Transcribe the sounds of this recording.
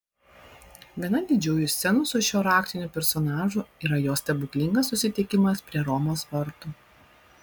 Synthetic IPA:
ʋʲiɛnɐd̪ʲɪd͡ʒʲɛːjʊsʲt̪sʲɛnʊsʊʃʲoːɾɑːkt̪ʲɪnʲuːˑpʲɛɾsɔnɑːʒʊiːɾɐjoːsʲt̪ʲɛbʊkʲlʲɪŋɡɐsːʊsʲɪt̪ʲɪkʲɪmɐspʲɾʲiɛɾɔmoːsʋɐɾt̪u

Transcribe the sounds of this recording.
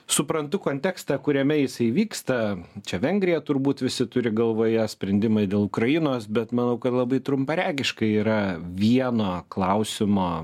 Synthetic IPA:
sʊpɾɐnt̪ʊkoːnʲt̪ʲɛkst̪ɐkʊɾʲɛmʲɛjɪsɐɪʋʲiːkst̪ɐt͡ʃʲɛʋʲɛŋʲɡɾʲɪjɛt̪ʊɾbuːt̪ʋʲɪsʲɪt̪ʊɾʲɪɡɐlˠʋoːjɛsʲpʲɾʲɛnʲd̪ʲɪmɐɪd̪ʲeːlˠʊkɾɐjɪnoːsbʲɛt̪mɐnɐʊkɐt̪lˠɐbɐɪt̪ɾʊmpɐɾʲæːɡʲɪʃkɐɪiːɾɐʋʲiɛnoːklˠɐʊsʲɪmoː

